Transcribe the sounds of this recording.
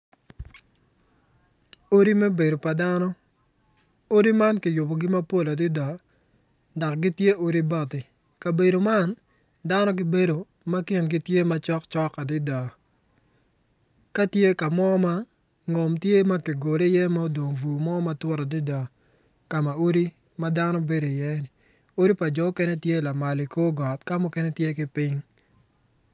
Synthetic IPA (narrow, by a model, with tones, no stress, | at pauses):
o˦ɾi˦me˦be˨do˨pa˨da˦nɔ˦ | o˦ɾi˦ma˦nkɪ˨jʊ˨bɔ˨ɡɪ˦ma˦po˦la˨dɪ˦da˨ | da˨kɡɪ˦tje˦o˦ɾi˦ba˦tɪ˨ | ka˨be˨do˨ma˦n | da˦nɔ˦k̬ɪ˨be˦do˨ | ma˦kɪ˨nɡɪ˦tje˦ma˦t͡ʃɔ˦kt͡ʃɔ˦ka˨dɪ˦da˨ | ka˦tje˦ka˨mɔ˦ma˦ | ŋo˨mtje˦ma˦ki˨ɡo˨ɾe˦jɛ˦ma˦o˦do˨ŋvu˨mɔ˦ma˦twɔ˦ɾa˨dɪ˦da˨ | ka˨ma˨o˦ɾi˦ | ma˦da˦nɔ˦be˦ɾo˨i˨jɛ˦nɪ˨ | o˦ɾi˦pa˨d͡ʒɔ˨˦kɛ˦nɛ˦tje˦la˨ma˨lɪ˨ko˦ɡɔ˨t̚ka˦mʊ˦kɛ˦nɛ˦tje˦kɪ˦pɪ˦ŋ